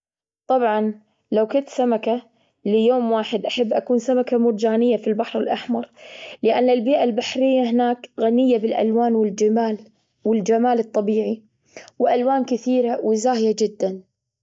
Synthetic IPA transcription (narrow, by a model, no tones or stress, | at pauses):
t̪ˤɑbʕɑn | lawkʊnt̪samaka | lɪjoːmwaːħɪd̪ʔaħabːʔakuːnsamakamʊɾd͡ʒaːnɪjːafilbaħɾɪlʔaħmɑɾˤlɪʔanːɪlbiːʔalbaħɾɪjːaɦɪnaːkɣanɪjːabɪlʔa̰lwaːnwɪld͡ʒaːl | wɪld͡ʒamaːlɨt̪ˤːɑbiːʕi | wɪʔalwaːnkɪθiːɾawɪzaːhjad͡ʒɪd̪ːan